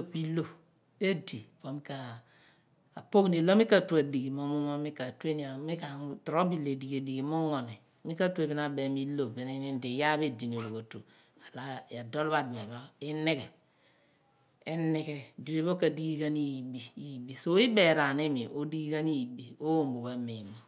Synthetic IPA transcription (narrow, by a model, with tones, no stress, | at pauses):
o˦pi˦lo˦ | e˦di˨po˨mi˦ka˨ | po˦kni˨lo˦mi˦ka˦˨tu˦a˨di˨ɡi˨mo˦mu˦ma˦mi˦ka˨tu˦e˦ni˨a˨mi˦ka˨˦tu˨ɾo˦bi˦˨le˨di˨ɡe˨di˨ɡi˨˦mu˦ŋo˨ni˨ | mi˦ka˦tu˦e˨bi˦na˨be˨mi˦lo˨be˨ni˦ni˦n˦di˨ja˦be˦di˨n˨o˨lo˨ko˨tu˨ | a˨la˦ja˨do˦lba˦˨dme˨ba˦i˦ne˦ke˨ | e˦ni˦ke˦di˨be˦bo˦ka˨di˦ɡi˦ka˦ni˦jbi˨˦˨bi˨so˦i˦be˨ɾa˨ni˦mi˨ʔo˦di˦ɡi˦ka˦ni˦˨bi˨o˦wo˦˨mbo˨ba˨˦mi˨mo˨